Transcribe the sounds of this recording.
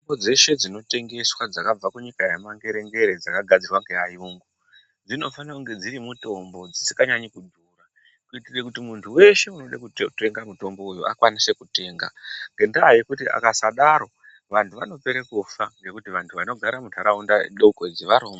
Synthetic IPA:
bod͡ze̞ʃe̞d͡zino̞te̞ŋɡe̞swad͡zakab͡vakuɲikajemaŋɡe̞ɾe̞ŋɡe̞ɾe̞d͡zakaɡʱad͡zirwaŋɡeajuːŋɡu | d͡zino̞fanakuŋɡe̞d͡ziɾimuto̞mbo̞d͡zisi̥kaɲaɲikudʱuːra | kuitirekutimuntʰuwe̞ʃe̞uno̞ɗakute̞ŋɡamuto̞mbo̞ujuʔa̰kwanise̞kute̞ːŋɡaŋɡe̞ndaːje̞kutia̰kasaɗaɾo̞ | ʋantʰuʋano̞pe̞ɾekufaŋɡe̞kutiʋantʰuʋano̞ɡʱaɾamudʰʱaɾaundaɗoukod͡ziʋaɾoːma

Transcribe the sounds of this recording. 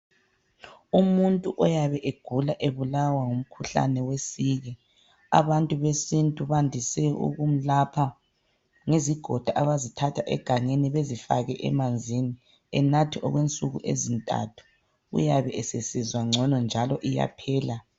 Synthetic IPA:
umuntʼuʔɔjaβɛʔeɡ̥ʱulaʔeβulawaŋum̩kʰuɬa̰nɛwesiɣɛ | a̰βantʼuβesintʼuβandʱisɛṵɣum̩lapʰa | ŋeziɡ̥ʱɔd̥ʱaʔaβazitʰatʰaʔɛ̰ɡ̥ʱaŋeniβezifa̰ɣɛʔɛ̰mand͡zʱini | ɛ̰natʰiʔɔ̰ɣwent͡sʼuɣṵʔḛzintʼa̰tʰu̥ | ṵjaβɛʔɛsesizwaŋ͡ǀʱɔnɔnd͡ʒʱalɔʔija̰pʰɛːla

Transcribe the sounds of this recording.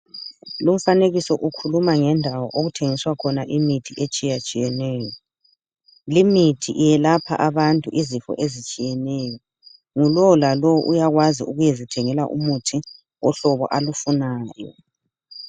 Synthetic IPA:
lum̩faneɣisɔʔukʰulumaŋɛndʱawɔʔoɣutʰeŋiswakʰɔnaʔimitʰiʔet͡ʃʼijat͡ʃʼijɛnɛːjɔ | limitʰiʔijɛlapʰa̰ʔaβantʼuʔizifɔ̰ʔezit͡ʃʼijɛnɛjɔ | ŋulɔlalɔwʔujaɣwaziuɣujezitʰɛŋɛla̰ʔṵmutʰi | ɔɬɔβɔ̰ʔalufunaːjɔ̰

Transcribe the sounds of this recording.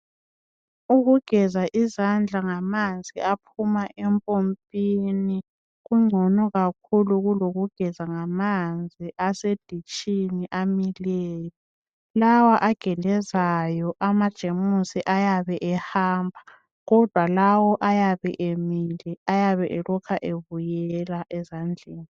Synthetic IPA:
uɣuɡ̥ʱɛzaʔizand͡ɮʱaŋamand͡zʱiapʰumaʔɛmpʼompʼini | ɣuŋ͡ǀʱɔnɔɣak̚ʰuluɣuloɣuɡ̥ʱɛzaŋamand͡zʱiʔased̥ʱit͡ʃʼiniʔamileːjɔ | lawaʔaɡ̥ʱɛlɛzajɔʔamad̥ʒ̥ʱemusiʔajaβɛʔɛhaːmbʱa | ɣɔd̥ʱwalawɔʔajaβɛʔemilɛajaβɛʔɛlɔkʰaʔeβujɛɛlaʔɛzand͡ɮʱeːni

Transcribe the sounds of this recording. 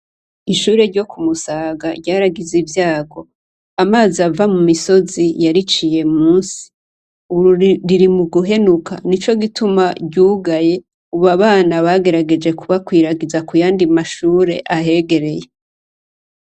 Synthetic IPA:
iʃuːɾe̞ɾɟo̞kumusaːɡaɾɟaːɾaɡizivjaːɡo̞ | amaːziavamumiso̞zijaɾit͡ʃije̞muːnsi̥ | uβɾuɾiɾimuɡuɦe̞nukʰa̰nit͡ʃo̞ɡitumaɟuːɡaje̞ | uβaβaːnaβaɡe̞ɾaɡe̞d͡ʒe̞kuβakwiːɾaɡizakujaːndimaʃuːɾe̞̰ʔahe̞ɡe̞ɾe̞je̞

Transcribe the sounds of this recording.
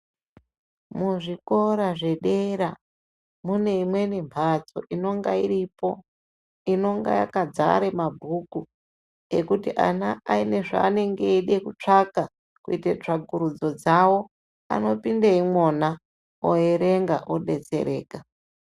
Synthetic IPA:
muʐiko̞ɾaʐe̞ɗe̞ɾa | mune̞imwe̞nimbʰʱat͡so̞ʔino̞ŋɡaiɾipo | ino̞ŋɡa̰ja̰kad͡za̰ɾemabʱuku | ekutiʔa̰naaine̞ʐa̰ːne̞ŋɡeiɗekut͡ʂaka | kuitet͡ʂaɡuɾud͡zo̞d͡zawo̞ | a̰no̞pindeimwona | o̰eɾeŋɡaʔoɗe̞t͡se̞̰ɾe̞ːka

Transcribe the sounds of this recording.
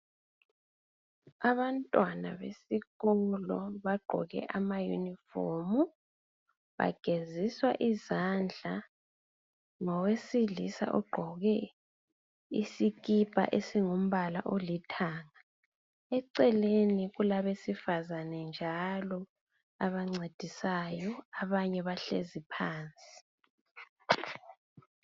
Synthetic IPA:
aβantʼwana̰βḛsiɣɔlɔβaɡ͡ǃʱɔ̰ɣɛ̰ʔamajṵnifo̰ːmu | βa̰ɡ̥ʱeziswaʔizand͡ɮʱa | ŋɔwesiɮisa̰ʔɔɡ͡ǃʱɔɣɛ | ḭsikib̥ʱa̰ʔesiŋom̩βala̰ʔolitʰaːŋa | ɛǀɛleniɣulaβesifazanɛnd͡ʒʱalɔ | aβaŋ͡ǀed̥ʱisajɔaβaɲɛβaɬḛzipʰaːnt͡sʼi̥

